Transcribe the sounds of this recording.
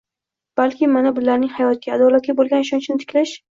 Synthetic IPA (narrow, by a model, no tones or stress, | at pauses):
b̥alkʲɪmanabʊlaɾnɪŋhajɒt̪̚ɡʲaad̪ɒlat̪̚ɡʲabolˠɡʲanɪʃɒnt͡ʃʰɪnɪt̪ʰɪ̥kʲlaʃ